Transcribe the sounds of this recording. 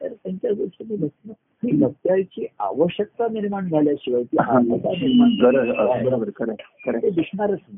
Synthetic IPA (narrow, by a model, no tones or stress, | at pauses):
t̪ə̰ɾt̪aɲt͡ɕjaɡəɾʂimilək̚t̪nə | ilək̚t̪jajt͡ɕiːa̰ʋəɕjək̚t̪aniɾmaɳd͡zʱaljaɕiʋajt̪iãɕəkt̪aniɾaɡəɾəbəɾobəɾkəɾekəɾet̪ed̪isnaɾət͡sn